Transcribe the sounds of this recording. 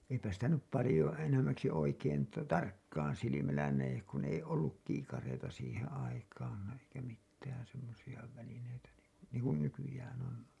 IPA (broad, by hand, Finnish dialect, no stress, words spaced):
eipæ sitæ nyp pɑlĭjo enæmˑæksi oikein tɑ tɑrkːɑːn silimælːæ næjek kun ei olːuk kiːkɑreitɑ siːhen̞ ɑikɑːn eikæ mitːæːn̞ semːosij̆ɑ ʋælineitæ niŋku niːŋ kun nykyjæːn on